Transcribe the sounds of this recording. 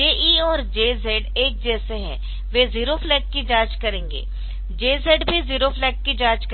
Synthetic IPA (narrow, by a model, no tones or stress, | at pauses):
eːʔiːɔːɾd͡ʒeːzeːɖeːk̚d͡ʒɛːseɦɛ̰̃ | ʋeziːɾofʰlɛːkːid͡ʒãːd͡ʒkɐɾẽːŋɡḛː | d͡ʒeːzeːɖbʱiziːɾofʰlɛːkːid͡ʒãːd͡ʒk